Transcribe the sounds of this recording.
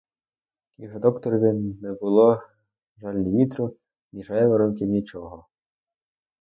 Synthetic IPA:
jɔɦɔd̪ɔkt̪ɔɾʋʲinɛbʊlˠɔ | ʒɑlʲnʲiʋʲit̪ɾʊ | nʲiʒajɛʋɔɾɔmk̬ʲiwnʲit͡ʃɔɦɔ

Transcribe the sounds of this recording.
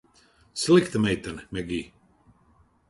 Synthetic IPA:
sʲlikt̪amɛjt̪anmɛɡiː

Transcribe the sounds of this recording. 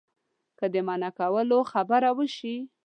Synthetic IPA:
kəd̪əmanakawəloxabaɾawəʃi

